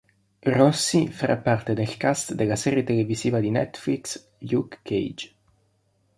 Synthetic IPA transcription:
rɔsːifɾa̰pːart̪ed̪elkast̪d̪elasɛːɾjet̪eleviziːvad̪inɛ̰t̪fliks | ʎukːʰḛjd͡ʒ

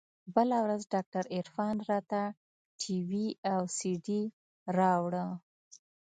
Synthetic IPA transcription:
bəlawɾazɖɑk̚ʈaɾɪɾfɑnɾɑt̪a | ʈʰiwiawsiɖi | ɾɑwɽə

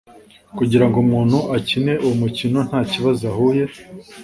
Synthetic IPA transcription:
kuɟiɾaŋɡumŋuːn̥huʔacine̞ʔuwomucino̞n̥haːciβazuahuːje̞

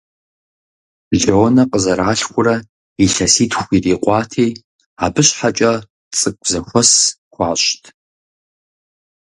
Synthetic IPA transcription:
ɮeonɐqʼəzɐɾaːɬxʷʊrɐ | iɬɐsiːtxʷiriːqʷʼɑːtʰeːj | abɨɕħat͡ʃʼɐ | t͡sʼɨkʷʼzɐxʷɔs | xʷɑːɕtʰ

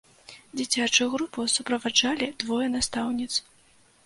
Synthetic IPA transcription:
d͡zʲit͡sʲat͡ʂɨjɣɾupɨsupɾɐvad͡ʐalʲid̪vɔjɛnast̪awnʲit̪s

